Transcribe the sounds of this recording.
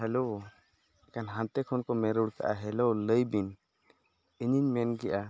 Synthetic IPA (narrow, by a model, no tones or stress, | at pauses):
ɦɛlo | kanɦãnt̪ɛkʰɔnkɔmɛɾuɽka̰ʔa̰ɦɛlowləjbin | iɲiɲmɛnɡɛʔa